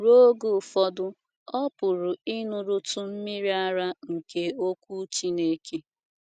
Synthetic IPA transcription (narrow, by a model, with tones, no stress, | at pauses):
ɾo˦ɡu˨fɔ˦dʊ˦ | ɔ˦pʊ˨ɾʊ˨ɪ˦nʊ˨ɾʊ˦tʊ˨m̩˦mi˦ɾi˦a˦ɾa˦ŋ̩˨ke˦o˦kʷu˦t͡ʃi˦ne˨ke˦